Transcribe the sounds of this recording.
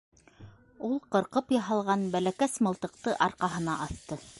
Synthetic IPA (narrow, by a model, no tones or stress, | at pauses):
ulˠqɤ̆ɾqɤpjɑɦɑlˠʁɑnbælækæsmɤ̆lˠt̪ɤ̆q̚t̪ɤʔɑɾqɑɦɤ̆nɑʔɑθt̪ɤ